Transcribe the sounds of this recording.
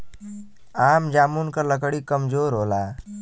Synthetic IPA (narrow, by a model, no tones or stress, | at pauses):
aːmd͡ʒaːmunkaləkɽikəmzoːɾɦoːlaː